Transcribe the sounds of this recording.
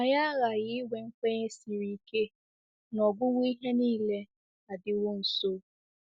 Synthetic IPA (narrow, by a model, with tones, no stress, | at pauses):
a˨ja˦ɣa˨ɣɪ˦we˨ŋ̩˦kʷe˦ɲe˦si˨ɾi˨ke˦ | nɔ˨ɡʊ˦wʷi˦i˦ɦe˦niː˦le˦ | a˨dɪ˦˨wo˦n̩˨so˦